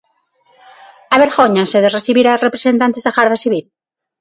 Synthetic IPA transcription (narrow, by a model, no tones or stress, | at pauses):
aβeɾɣoɲaseðeresiβiɾarepɾesent̪ant̪ezðaɣaɾðasiβil